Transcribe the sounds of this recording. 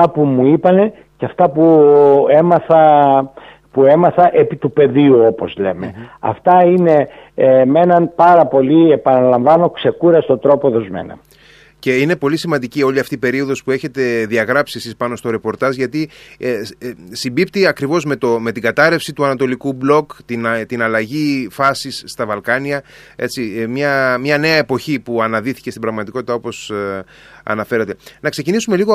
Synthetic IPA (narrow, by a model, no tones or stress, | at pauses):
ɐpumuipɐne̞ | cɐft̪ɐpuemɐθɐ | pue̞mɐθɐʔepit̪upe̞ðiuopo̞zle̞̰me̞̰ɐ̰ft̪ɐine̞me̞nɐnpɐɾɐpo̞liepɐnɐlɐɱvɐno̞kse̞kuɾɐst̪o̞d̪ɾo̞poðo̞zme̞̰nɐ̰ | ce̞ine̞po̞lisimɐnd̪icio̞ʎiɐft̪iipe̞ɾio̞ðo̞spue̞çe̞t̪e̞ðiɐɣɾɐpsiesispɐno̞st̪o̞ɾe̞po̞ɾt̪ɐzʝɐt̪i | simbipt̪iɐkɾivo̞zme̞t̪ome̞t̪iɡɐt̪ɐɾe̞fsit̪uɐnɐt̪o̞likublo̞kt̪int̪inɐlɐʝifɐsisːt̪ɐvɐlkɐniɐ | e̞t͡simɲɐmɲɐne̞ɐe̞po̞çipuɐnɐðiθi̥cest̪ibɾɐɣmɐt̪iko̞t̪it̪ɐo̞po̞s | ɐ̰nɐfe̞ɾɐt̪e̞nɐkse̞cinisume̞liɣo